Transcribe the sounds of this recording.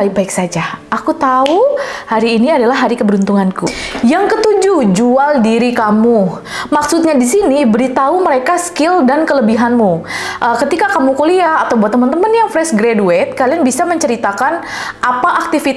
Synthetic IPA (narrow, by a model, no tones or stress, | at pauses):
aɪk̚baɪksad͡ʒaakut̪auhaɾiːniadalahɦːaɾikəbəɾunt̪uŋankujaŋkət̪ud͡ʒud͡ʒualdiɾikamu | maksut̪̚ɲadisinibəɾit̪auməɾekaskɪldankələbiɦanmu | ʔəkət̪ikakamukuliaːt̪awbuat̪ːəmənt̪əmənjaŋfɾɛsɡɾeduɛt̪̚kalianbisaməɲt͡ʃəɾit̪akan | ʔapaʔak̚t̪ifi